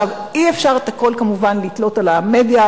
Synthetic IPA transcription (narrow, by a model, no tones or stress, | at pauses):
aviefʃaʁet̪ako̞lkamuvanlit̪lo̞talamed̪ja